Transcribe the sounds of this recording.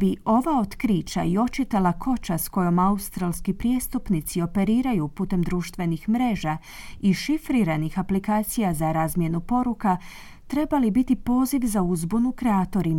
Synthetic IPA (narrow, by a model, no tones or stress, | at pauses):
biʔo̞ʋao̞t̪kɾiːt͡ʃa̰io̞t͡ʃit̪elakʰo̞t͡ʃasko̞jo̞maust̪ɾalˠskipɾje̞st̪upnit̪sio̞pe̞ɾiːɾajupuːt̪e̞md̪ɾuːʃt̪ʋe̞nixmɾe̞ːʒa | iʃifɾiɾanixaplikaːt̪sijazaɾaːzmje̞nupo̞ɾuka | t̪ɾe̞balibit̪ipo̞ːziʋzauzbunukɾeaːt̪o̞ɾim